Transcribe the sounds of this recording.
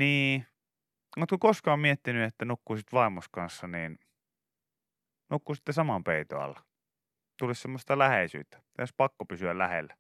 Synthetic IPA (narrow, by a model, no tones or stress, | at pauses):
niː | ut̪kokoskɑːmmiet̪ːinyet̪ːænukːusit̪ʋɑimuskɑnsːɑniːn | nukːusi̥t̪ːesɑmɑmpeit̪oɑ̰lːɑ | t̪ulissemːost̪ɑlæheisy̰ːt̪ːæ̥ospɑkːopysyællæ̰hḛlːæ